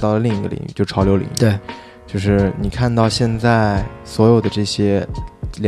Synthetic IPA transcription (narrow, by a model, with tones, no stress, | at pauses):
t̪ɑ˥˩ʊlə˩li˥˩ŋi˧˥ɡə̰˧lḭ˨˩ŋy̰˧˩t͡ɕjo˥˧ʊ˩ʈ͡ʂʰɑ˧˥ʊjo˧˥lḭ˨˩˦ŋ˥˧˩ | t͡ɕjo˥˧ʊʂɻ̩˥˩ni˨˩kʰa˥˧nt̪ɑ˥˧ʊɕjɛ˥˧nt͡sa˥˩ɪswɔ˧˥jo˨˩ʊd̪ə˦ʈ͡ʂɤ˥˩ɕjɛ˥l